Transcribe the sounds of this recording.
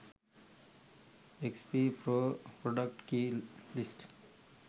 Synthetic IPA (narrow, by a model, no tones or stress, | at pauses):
ekspipopɾoɖək̚ʈkilisʈ